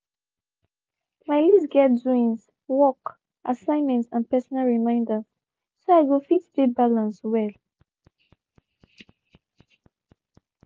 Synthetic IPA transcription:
majlisɡɛtzuĩns | wɔk | ʔasãɪ̃nmɛ̃ntsãnpɛsɔnalɹimãɪ̃ndə | soajɡofitdebalãnswɛl

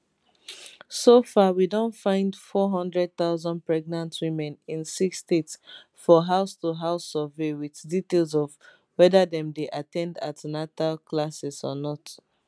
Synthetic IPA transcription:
sofawidõntfãɪ̃ndfɔɦɔ̃ndɹɛd̚θaʊzɔ̃npɹɛɡ̚nãntʰwimɛ̃nĩnsikstets | fɔɦaʊstuɦaʊsəvewiθditelˠzɔv | wɛdadɛ̃mdeʔatɛ̃nda̰tnatalkʰlasɛsɔnɔt

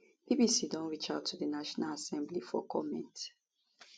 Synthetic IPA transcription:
b̥ibisidɔ̃nɹit͡ʃatʰːuðənaʃɔnalasɛ̃mblifɔ̰kʰɔmɛ̰̃nt

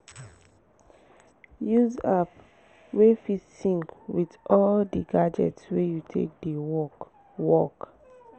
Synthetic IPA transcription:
juzap | wefitsĩŋkwitɔldiɡad͡ʒɛ̰tswejutʰḛk̚dewɔ | wɔk

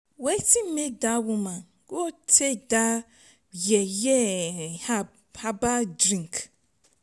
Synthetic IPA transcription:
wetim̩mek̚dawumãn | ɡotʰeda | jɛjɛha | habadɾĩŋk

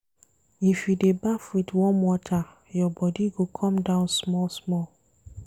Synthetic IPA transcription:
ifjudebafɹitwɔ̃nwɔtʰa | jɔbɔdiɡokʰɔ̃mdãʊ̃nsmɔlsmɔl

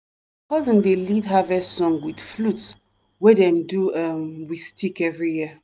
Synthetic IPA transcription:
pɔzĩndelidɦavɛsɔ̃ŋɡwidflut | wɛdɛ̃nduamwistʰikɛvɹiji

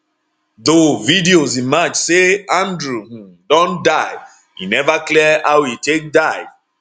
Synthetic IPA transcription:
ðovidiozĩmad͡ʒseãndɹuh̩dɔ̃ndaɪ | inɛvaklɛawitek̚daɪ

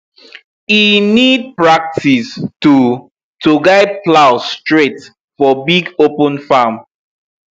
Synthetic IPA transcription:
inid̚pɹak̚tʰistu | tʰuɡaɪd̚plaʊstɹet | fɔbiɡopə̃nfam

